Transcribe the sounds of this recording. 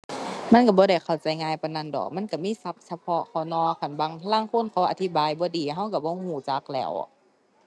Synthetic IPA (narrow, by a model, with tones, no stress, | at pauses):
ma˧˥˨nka˧˩bɔː˧˦da˧˩jkʰa˧˩wt͡ɕa˨˦jŋaː˧˨jpa˧na˧˥˨ndɔ̰ː˨˩k̚ma˧˥˨nka˧˩miː˧˥˨sa˧˦p̚sa˧pʰɔ˧ʔkʰa˧˩wnɔː˧˨kʰa˧˩˨nbaː˨˧ŋtʰlaː˧˥˨ŋkʰo˧˥˨nkʰaː˧˩wʔa˨˧˩t̪ʰi˧˥baː˨jbɔː˧˦diː˨˦ɦa˧˥˨wka˧˩bɔː˧˦huː˧˩t͡ɕa˨˧˦k̚lɛː˧˩˨w